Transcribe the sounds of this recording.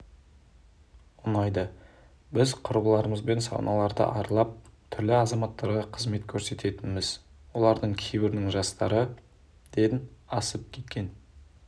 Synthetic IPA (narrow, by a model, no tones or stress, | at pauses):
ʊnɑjd̪ɑ | bɪzqʰʊɾbəlˠɑɾəməzbe̞nsɑ̰wnʔɑlˠɑɾd̪ə̰ʔɑɾlˠɑp̚t̪ʰʏɾlɪɑzɑmɑt̪ːɑɾʁɑqʰəzme̞t̪kʲʰɵɾse̞t̪e̞t̪ɪnmɪz̥wo̞lˠɑɾd̪əɴkʲʰejbɪɾɪnɪŋʒɑst̪ɑɾə | d̪̥ed̪ɪnɑsəp̚kʲʰe̞t̪̚kʲe̞n